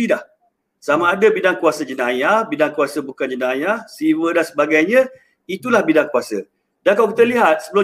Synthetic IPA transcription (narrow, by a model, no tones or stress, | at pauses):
ilah | samaːdəbidaŋkuasəd͡ʒənajahbidaŋkuasəbukand͡ʒənajasiwədansəbaɡajɲə̃ | it̪ulahbidaŋkuasə | dankawkit̪əliɦat̪̚səbəlʊ